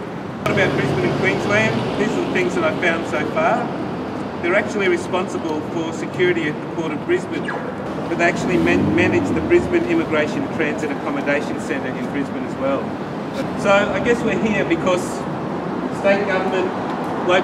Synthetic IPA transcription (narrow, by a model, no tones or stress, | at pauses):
ɾɨbaʊt̚b̥ɹɪzbɨ̃ñɨ̃nkʰw̥ĩnzlæ̃nðizəðθɪ̃ŋzðɨɾaɪv̥fãʊ̃nd̥soʊfɑɹ | ðə˞æk̚t͡ʃul̩ˠiɹɨspɑ̃nsəbəlˠfə˞sɨkʰj̥ʊɹɨɾiɨt̪̚ðɨkʰɔɹɾʌvbɹɪzbɨ̃n | b̥ʌt̪̚ðeɪæk̚t͡ʃʉl̩ˠimmænɨd͡ʒðɨbɹɪzbɨ̃nɪ̃mɨɡɹeɪʃɨ̃ntʰɹ̥æ̃nzɨɾɨkʰɑmɨdeɪʃɨ̃nsɛ̃ñtə˞ʔɨ̃nbɹɪzbɨ̃nɨzwɛlˠ | soʊaɪɡɛswiɦiəbɨkʰʌz̥ | steɪt̚ɡ̥ʌvə˞mɨ̃nʔ | la